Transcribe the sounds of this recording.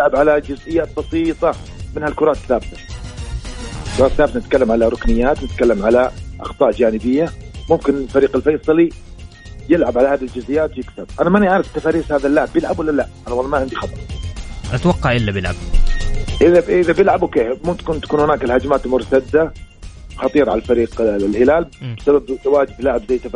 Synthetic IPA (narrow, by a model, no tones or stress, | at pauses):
jɪlʕabʕalad͡ʒʊzʔɪjːaːt̪̚bɑsiːt̪ˤɑ | mɪnhalkʊɾˤɑːt̪θːaːbɪt̪ḁ | ɪlkʊɾɑːt̪θːaːbɪt̪anɪt̪̚kalːamʕalaɾˤʊknɪjːaːt̪nɪt̪kalːamʕalaʔɑ̰xt̪ˤɑːʔd͡ʒaːnɪbɪjːamʊmkɪnɪlfaɾiːqɪlfɑjsˤɑli | jɪlʕabʕalahaːd̪ild͡ʒʊzɪjːaːt̪jɪkθab̚ʔanamaniʕaːɾɪfɪt̪ːafaːɾiːshaːðalːaʕɪbjɪlʕabwɪlːalaʔʔanɑlːmaʕɪnd̪ixɑt̪ˤɑɾˤʔat̪wɑqːɑʕʔɪlːabjɪlʕab̚ | ʔɪðaɪðabjɪlʕabwkeːhmut̪kunt̪ḁkuːnhʊnaːkɪlhad͡ʒmaːt̪lmʊɾt̪ad̪ːa | xɑt̪ˤiːɾʕa̰lafaɾiːqlhɪlaːlbɪsababt̪awaːd͡ʒɪblaʕɪbzajːt̪ːaf